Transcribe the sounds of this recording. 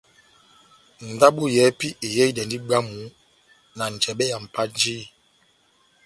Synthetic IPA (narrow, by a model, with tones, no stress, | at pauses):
n̩˨da˦ɓu˦jɛ˨˦pi˦i˨jɛ˦i˦dɛ˨ndi˦ɡ͡ba˦mu˨˦ | na˨n̩˨t͡ʃɛ˨ɓɛ˦ja˨m̩˨pa˦n˦d͡ʒi˦